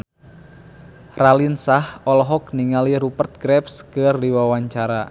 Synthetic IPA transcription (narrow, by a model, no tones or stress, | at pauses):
ralinsahɔlɔɦɔk̚niŋaliɾupərt̪̚ɡ̥ɾɛpskərdiwawaɲt͡ʃaɾa